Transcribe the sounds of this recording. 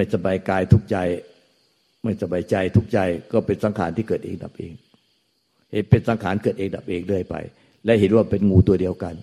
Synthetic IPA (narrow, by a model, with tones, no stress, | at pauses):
a˥˩jsa˧baː˧jkaː˧jt̪ʰu˦˥k̚t͡ɕa˧j | ma˥˩jsa˧baː˧jt͡ɕa˧jt̪ʰu˦˥k̚t͡ɕa˧jkɔː˥˩pe˧nsa˩˦ŋkʰaː˩˦nt̪ʰiː˥˩kɤː˨˩t̪ʔḛː˧ŋ̚da̰˨˩p̚ʔeː˧ŋ | he˨˦npe˧nsa˨˩˦ŋkʰaː˩˦nkɤː˨˩t̪ʔeː˧ŋ̚da˨˩p̚ʔeː˧ŋlɯ˥˩əjpa̰˧j | lɛ˦˥ʔhe˨˦n̚waː˥˩pe˧nŋuː˧t̪u˧ɐdi˧əwka˧n